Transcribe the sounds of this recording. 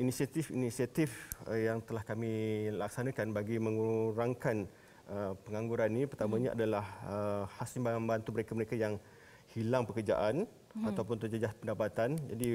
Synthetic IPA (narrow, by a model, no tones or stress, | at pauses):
inisiat̪ɪfḭnisiat̪ɪfəjaŋt̪əlahkamilak̚sanãkanbaɡimə̃ŋuɾaŋkan | əpəŋaŋɡuɾanĩpərt̪amãɲaʔa̰dalahəhasimbaŋaməbant̪uməɾekaməɾekajaŋ | hilaŋpəkərd͡ʒa̰ʔan | at̪awp̬ʊnt̪əd͡ʒəd͡ʒaspəndapat̪and͡ʒadi